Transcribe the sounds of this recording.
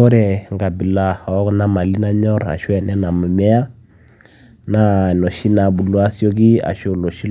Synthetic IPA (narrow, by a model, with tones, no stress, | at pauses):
ɔ˦ɾɛ˨ŋɡa˨bi˨la˦˨ɔ˦kna˦ma˨li˦na˦ɲɔ˦ɾa̰˨ʃwɛ˨nɛ˦na˨mu˨mɛ˦a˦ | na˦nɔ˨ʃi˦na˨bu˨lu˦a˦sjɔ˦k̬i˦a̰˨ʃo˦˨lo˨ʃi˦